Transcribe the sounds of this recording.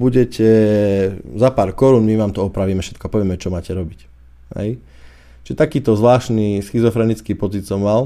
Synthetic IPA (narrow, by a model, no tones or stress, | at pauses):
buɟɛcɛ | zapaːɾkɔɾuːnmiʋaːmt̪ɔɔpɾaʋiːmɛfʃɛt̪kɔapɔʋɪɛmɛɔt͡ʃɔmaːcɛɾɔbic | ɦɛ̰j | t͡ʃiʒɛt̪akiːt̪ɔzʋlaːʃnisxizɔfɾɛnit͡skipɔt͡sit̪sɔmːal